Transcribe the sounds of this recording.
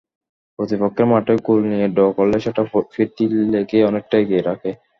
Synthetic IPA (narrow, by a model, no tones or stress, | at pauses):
pɾot̪ipokʰːeɾmaʈojkulnijeɖɔkɔlːeʃeʈafiɾt̪ilekeɔnek̚ʈajɡieɾakʰe